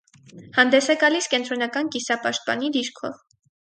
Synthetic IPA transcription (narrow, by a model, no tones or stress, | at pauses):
hɑnd̪ɛsɛɡɑliskɛnt̪ɾɔnɑkɑnkisɑpɑʃt̪̚pɑ̰nid̪iɾkʰɔ̰v